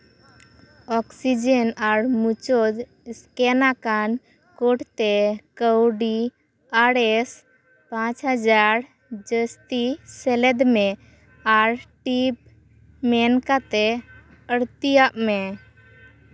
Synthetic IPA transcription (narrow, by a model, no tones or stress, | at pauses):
ɔksid͡ʒənaɾmut͡ʃod͡ʒ | skɛnakan | koʈt̪ɛkəwɖi | aɽɛs | pãt͡ʃɦəd͡ʒaɾ | d͡ʒəst̪isɛlɛd̪mɛ | aɾʈip̚ | mɛnkat̪ɛ | əɽt̪ijaʔmɛ